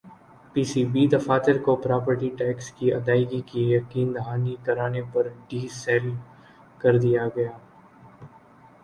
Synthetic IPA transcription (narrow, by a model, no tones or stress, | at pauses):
piːsiːbid̪ɐfaːt̪ɪɾkopɾaːpəɾʈiʈɛːkskiɐd̪aːɪɡikijɐqiːnd̪ɐɦaːnikɐɾaːnepɐɾɖiːsɛːl | kɐɾd̪ijaɡɐjaː